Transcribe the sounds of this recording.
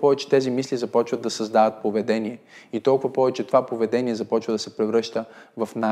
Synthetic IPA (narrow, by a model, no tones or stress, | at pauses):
pɔvɛt͡ʃɛ̥t̪ɛzimislizɐpɔt͡ʃvəd̪ːɐsɐzd̪avət̪̚povɛd̪ɛniɛ | it̪ɔlˠkʊvɐpɔvɛt͡ʃɛt̪ovapovɛd̪ɛniɛzɐpɔt͡ʃvəd̪ɐsɛpɾɛvɾɤʃt̪əvɐfna